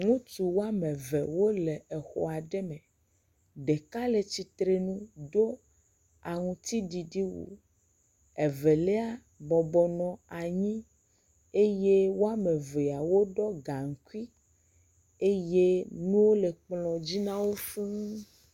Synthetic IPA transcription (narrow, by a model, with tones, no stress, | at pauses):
ŋũ˦t̪u˨wo˦a˦mẽ˨vɛ˨wo˦le˨ɛ˨xɔ̰˨a˨ɖɛ˦mɛ̃˨ | ɖe˨ka˦le˨t͡ɕi˦t̪ɾe˦nũ˦do˦ | a˨ŋũ˦t̪i˦ɖi˨ɖi˦wṵ˨ | ɛ˨vɛ˨lɛ˦a˦ | bɔ˨bɔ˨nɔ̃˨a˨ɲĩ˦ | e˦je˦wo˦a˦mɛ˨ve˨a˨wo˦ɖɔ˦ɡa˨ŋ̩˨ku˦i˦ | e˦je˦nũ˦wo˦le˨k͡plɔ̃˨d͡ʑi˦nã˦wo˦fĩ˦